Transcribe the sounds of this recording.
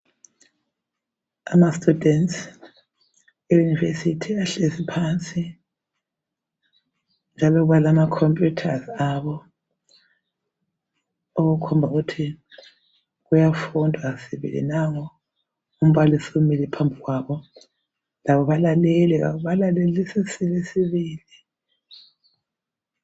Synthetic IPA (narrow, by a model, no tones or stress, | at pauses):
a̰mastʼudʱɛnts | ejunivesitʰiaɬesipʰant͡sʼi | nd͡ʒʱalɔɣuβalamakʰɔmpʼjutʰazaβɔ | oɣukʰɔmbʱaɣutʰi | ɣujafundʱwasiβḭlḭnaŋɔ | um̩βalisumilipʰambʱiɣwaːβɔ | laβɔβalalɛlɛβa̰βuβalalelisisilesiβiːli